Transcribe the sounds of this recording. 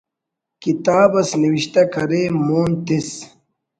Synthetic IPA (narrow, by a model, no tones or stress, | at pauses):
kit̪aːbɐsniwiɕt̪ɐkʰɐɾeːmoːnt̪is